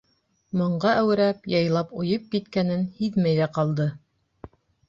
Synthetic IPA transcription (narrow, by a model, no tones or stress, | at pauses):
mŏɴɢɑʔæwɘ̆ɾæpjɑjlˠɑpŏjɤp̚kit̪kænɘnhiðmæjðæqɑlˠd̪ɤ